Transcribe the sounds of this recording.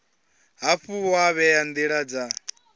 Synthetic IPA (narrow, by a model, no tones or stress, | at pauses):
ɦaɸuaβɛjand̪iɺad͡za